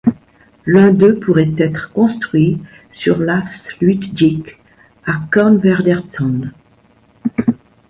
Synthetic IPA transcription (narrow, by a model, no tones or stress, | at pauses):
lɛ̃d̪øpuʁɛt̪ɛt̪χkɔ̃st̪χɥi | sy̰ʁlafslɥit̪d͡ʒik | akɔnvɛʁd̪ɛʁtsɑ̃n